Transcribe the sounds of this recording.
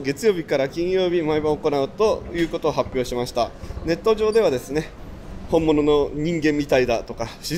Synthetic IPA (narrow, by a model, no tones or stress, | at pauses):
ɡe̞t͡sɨjo̞ːbʲikaɾakʲĩɰ̃jo̞ːbʲimaibaoko̞naɯ̟t̪o̞jɯ̟ːko̞t̪o̞ːɦapʲjo̞ːɕimaɕi̥t̪ane̞t̪ːo̞ʑo̞ːd̪e̞βad̪e̞sɨne̞ | hõ̞mːo̞no̞no̞ɲ̟ĩŋɡẽmːʲit̪aid̪at̪o̞kaɕi